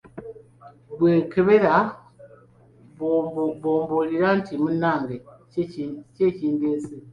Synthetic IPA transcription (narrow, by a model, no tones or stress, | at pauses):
bwekeβeɾa | bbomboliɾantʰimunaŋɡe | cet͡ʃindese